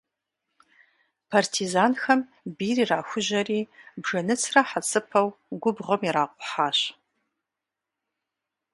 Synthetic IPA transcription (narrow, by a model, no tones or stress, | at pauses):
pʰartʰizaːnxɐm | biːriːraːxʷʊʑɐriːbʐɐnɨt͡sʰrɐħat͡sʰʼɨpʰɐwɡʷʊbʁɐmiɾaːqʷʼʊħaːɕ